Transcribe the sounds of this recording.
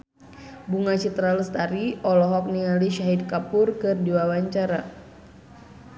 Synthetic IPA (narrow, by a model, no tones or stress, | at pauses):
buŋat͡ʃit̪ɾalst̪aɾiɔlɔɦɔk̚nialiʃaɦid̪̚kapʊrkɨrdiwawaɲt͡ʃaɾa